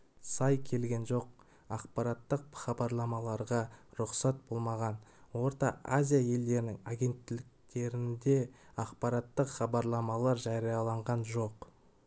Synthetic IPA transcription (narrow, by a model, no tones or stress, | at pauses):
sɑjkʲʰe̞lɡʲe̞nʒo̞q | ɑqpɑɾɑt̪ːəq̚χɑbɑɾlˠɑmɑlˠɑɾʁɑɾʊqsɑt̪̚b̥o̞lˠmɑʁɑnwo̞ɾt̪ɑʔazʲijaje̞ld̪e̞ɾɪnɪŋaɡʲe̞nt̪ːɪlɪk̚t̪e̞ɾɪnd̪e̞ɑqpɑɾɑt̪ːəqχɑbɑɾlˠɑmɑlˠɑɾʒɑɾijɑlˠɑɴʁɑnʒo̞q